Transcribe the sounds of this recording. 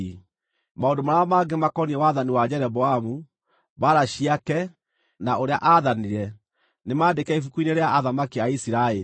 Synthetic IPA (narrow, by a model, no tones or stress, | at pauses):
maondomaɾaamaɡemakɔniɛwaðaniwad͡ʑɛɾɛbɔamu | baɾaɕiakɛ | naʔoɾea̰ʔaðaniɾɛ | nemaːdekɛifukuineɾeaaðamakiaisiɾae